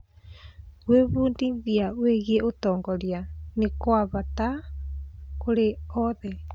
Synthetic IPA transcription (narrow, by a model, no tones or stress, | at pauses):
ɣweβuːndiðiaweɣieotɔːŋɡɔɾianekwaβata | koɾeɔðɛ